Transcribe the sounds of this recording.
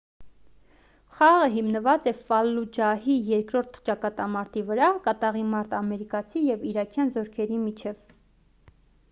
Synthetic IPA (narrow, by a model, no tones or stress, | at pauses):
χɑʁəɦimnəvɑt͡sɛfɑlːud͡ʒɑɦijɛɾkɾɔɾt̪ʰt͡ʃɑkɑt̪ɑmɑɾt̪ivəɾɑkɑt̪ɑʁimɑɾt̪ɑmɛɾikɑt͡sʰijɛviɾɑkʰjɑnzɔɾkʰɛɾimit͡ʃʰɛv